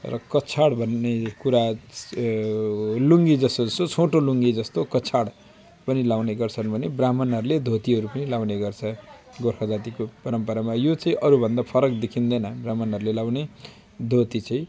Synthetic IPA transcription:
rʌ̰kʌt͡sʰaɽbʱʌnːekuɾa | luŋɡid͡zʌst̪oʌsot͡sʰoʈoluŋɡid͡zʌst̪okʌt͡sʰaɽ | pʌnilawneɡʌrt͡sʰʌnbʱʌnebramʌnʌɾuled̪ʱot̪iɦʌɾupʌnilawneɡʌrt͡sʰʌ | ɡorkʰʌd͡zat̪ikopʌɾʌmpʌɾamajot͡sʌĩʔʌɾubʱʌnd̪apʰʌɾʌkd̪ekʰind̪ʌnʌbramʌnɦʌɾulelawne | d̪ʱot̪it͡sʌĩ

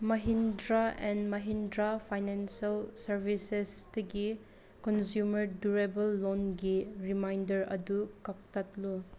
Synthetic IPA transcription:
mɐɦindɾaɛnmɐɦindɾapʰajnensalsɐɾbʱisesdɐɡi | kɔnsjumɐɾduɾebɐlːonɡiɾimajndɐɾɐ̰dukak̚tatlu

